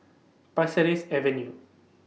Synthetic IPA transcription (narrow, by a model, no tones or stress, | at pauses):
pɐsɐɾesɛʋenjuː